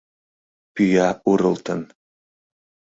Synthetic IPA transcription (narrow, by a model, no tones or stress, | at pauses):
pʰyjauɾəlˠt̪ʰən